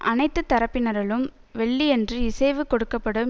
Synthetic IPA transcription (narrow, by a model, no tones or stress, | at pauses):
ʔɐnɐɪt̪ːɯt̪ːɐɾɐpːɪnɐɾɣɐɭɯmʋɛɭːiɛndrɯɪsɐɪʋɯkɔɽɯkːɐpːɐɽɯm